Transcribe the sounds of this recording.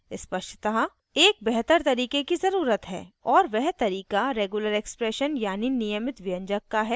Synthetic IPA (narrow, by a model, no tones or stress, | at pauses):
ɪspɐʃʈʰt̪aɦ | eːk̚bɛɦt̪əɾt̪ɐɾiːkekizɐɾuːɾət̪ɦɛ̰ːɔːɾʋɛɦt̪ɐɾiːkaɾeːɡuləɾeːkspɾeːʃənjaːninijəmɪt̪ʋɪjə̃ɲd͡ʒəkːaɦɛː